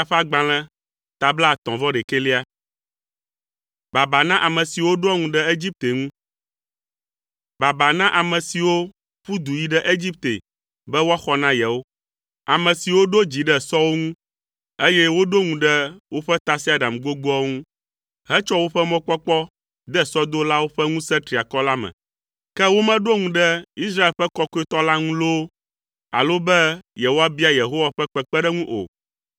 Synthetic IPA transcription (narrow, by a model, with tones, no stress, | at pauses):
a˦ɸa˦ɡ͡bã˨l̃ɛ̃˦ | t̪a˨bla˦˨t̪ɔ̃˨vɔ˦ɖɛ˨ke˦li˦a˦ | ba˨ba˨nã˦ʔa˨mɛ̃˨si˨wo˦ɖo˦ɔ˦ŋũ˦ɖɛ˦e˦d͡ʑi˦p̚t̪e˨ŋũ˦ | ba˨ba˨nã˦ʔa˨mɛ̃˨si˨wo˦ | ɸu˦d̪u˨ji˦ɖɛ˦ʔe˦d͡ʑi˦p̚t̪ḛ˨ | bɛ˦wɔ˦xɔ˦nã˦jɛ˨wo˦ | a˨mɛ̃˨si˨wo˦ɖo˦d͡ʑi˨ɖɛ˦sɔ˦wo˦ŋũ˦ | e˦jɛ˦wo˦ɖo˦ŋũ˨ɖɛ˦wo˦ɸɛ˦t̪a˦si˦a˨da˨mɡo˦ɡo˦ɔ˦ŋũ˦ | ɦɛ˦t͡ʃɔ˦wo˦ɸɛ˦mɔ̃˦k͡pɔ˦k͡pɔ˦ | d̪ɛ˦˨sɔ˦d̪o˦la˦wo˦ɸɛ˦ŋũ˦sɛ̃˦t̪ɾi˨a˨kɔ˦la˦mɛ̰̃˨ | kɛ˦wo˦mɛ̃˦ɖo˦ŋũ˨ɖɛ˦i˦sɾa˦e˨lɸɛ˦kɔ˦ko˦i˦t̪ɔ˦la˦ŋũ˦lo˦ | a̰˨lo˦bɛ˦jɛ˨ɦo˦wa˦bi˦a˦je˨ɦo˦wa˨ɸɛ˦k͡pɛ˨k͡pɛ˦ɖɛ˦ŋũ˦ʔo̰˨